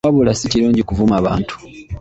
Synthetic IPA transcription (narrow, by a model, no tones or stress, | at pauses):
aβulasiciluːɲɟikuvumaβa̰ːntʰu̥